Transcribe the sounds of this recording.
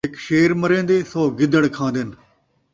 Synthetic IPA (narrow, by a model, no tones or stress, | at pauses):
ɦɪkʃeːɾməɾẽːnd̪eːsoːɡɪd̪əɽ̃kʰãːnd̪ɪn